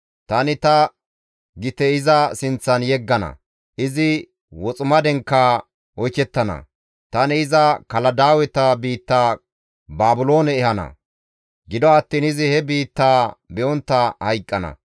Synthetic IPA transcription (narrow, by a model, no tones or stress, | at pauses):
t̪ɐnɪt̪ɐ | ɡɪt̪ɛɪzɐsɪnt͡sːɐnjɛɡːɐnɐ̰ | ʔɪzɪ | wɔt͡sʼʊmɐd̪ɛŋkːaː | ɔjt͡ʃːɛt̪ːɐnɐ̰ | t̪ɐnɪɪzɐkɐlɐd̪aːwɛt̪ɐbiːt̪ːaː | baːbʊlo̞ːnɛːhɐnɐ̰ | ɡɪd̪ɔɐt̪ːiːnɪzɪhɛbiːt̪ːaːbɛʔɔnt̪ːɐhɐjkʼːɐnɐ̰